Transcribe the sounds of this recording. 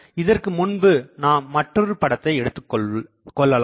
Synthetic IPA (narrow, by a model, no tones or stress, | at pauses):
ɪðɐrkɯmʊnbɯnaːmɐʈrɯɾɯpɐɽɐt̪ːɐɪɛɽɯt̪ːɯkː | kːɔɭːɐlãː